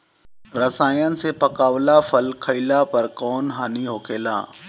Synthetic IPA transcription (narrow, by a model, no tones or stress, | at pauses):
ɾɐsaːiənɪ̆sepɐkaːʋlafɐlkʰəilapɐɾkɔːnɦaniɦoːkʰeːla̰ː